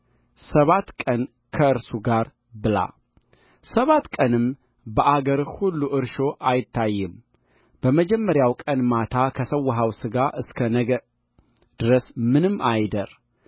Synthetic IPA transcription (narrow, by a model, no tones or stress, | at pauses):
səβat̪kʼən | kʰəɨɾsuɡaɾ | bɨla̰ | səβat̪ːkʼənɨm | bəʔaɡəɾhulːuʔɨɾʃo̞ʔajɪt̪ʰːajːɨm | b̥əməd͡ʒɛmːəɾjawkʼənmat̪ʰakʰəsəwːɦawsɨɡaʔɨskʰə | d̪̥ɨɾəsmɨnɨmːajd̪əɾ